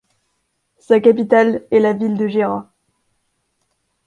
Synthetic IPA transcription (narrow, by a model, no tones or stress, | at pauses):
sakap̬it̪alɛlavild̪əʒeʁã